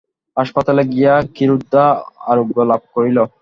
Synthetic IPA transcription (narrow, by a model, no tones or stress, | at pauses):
ɦaʃpat̪aleɡijakiɾud̪ːaa̰ɾuɡolab̚koɾilo